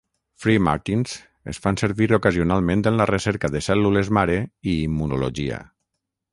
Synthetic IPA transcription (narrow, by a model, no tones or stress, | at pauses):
fɾima̰ɾt̪inz̥ | ḛsfanseɾβiɾokazionalˠmẽnt̪ənlərəsɛɾkəðəsɛlːulezmaɾeiːmːunulo̰ʒia̰